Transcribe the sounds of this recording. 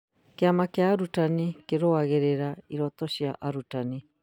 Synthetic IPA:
keamakeaːɾutanikeɾoaɣeɾeɾaiɾɔtɔʃiaʔaɾutani

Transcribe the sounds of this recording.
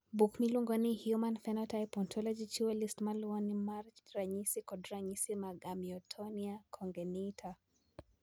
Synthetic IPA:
bukmiluŋɡɔnihjumanfɛnɔtajpɔntʰɔlɔd͡ʒit͡ʃuɛlistmalɔnimaɾt͡ʃɾaɲisikɔdɾaɲisimaɡamiɔtʰɔniakʰɔŋɡɛnitʰa

